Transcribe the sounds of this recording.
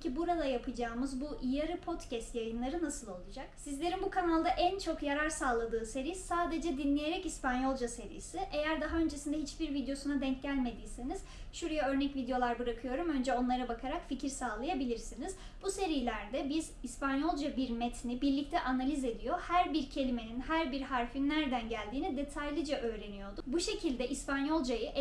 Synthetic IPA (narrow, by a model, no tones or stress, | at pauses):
cʰibuɾad̪ajapʰɯd͡ʒaːmɯzbuʔijaɾɯpʰo̞t̪cʰɛst̪jajɯnlˠaɾɯnasɯlˠo̞lˠud͡ʒaksizlʲe̞ɾinbukʰanalˠd̪aʔænt͡ʃʰo̞kjaɾaɾsaːlˠad̪ɯːse̞ɾisaːd̪e̞d͡ʒɛd̪inlʲeje̞ɾɛcispanjo̞lˠd͡ʒase̞ɾḭːsiʔe̞jæɾd̪aɦaø̞nd͡ʒe̞sind̪ɛɦit͡ʃbiɾvid̪jo̞sunad̪ɛɲcɟælʲme̞d̪iːse̞niz̥ʃuɾajaø̞ɾnɛcvid̪jo̞lˠaɾbɯɾakʰɯjo̞ɾumø̞nd͡ʒɛo̞nlˠaɾɯbakʰaɾakficʰiɾsaːlˠajabilʲiɾsiniz̥ | buse̞ɾijlʲæɾd̪ɛbizispʰanjo̞lˠd͡ʒabiɾmɛt̪ʰinibiɾlʲic̚t̪ʰɛʔanalʲize̞d̪ijo̞hæɾbiɾcʰe̞lʲime̞ninhæɾbiɾhaɾfinːæɾd̪ænɟælʲd̪iːnid̪e̞t̪ʰajlʲˠid͡ʒaʔø̞ːɾe̞nijo̞d̪ubuʃe̞cʰilʲd̪ɛʔispʰanjo̞lˠd͡ʒajɯʔ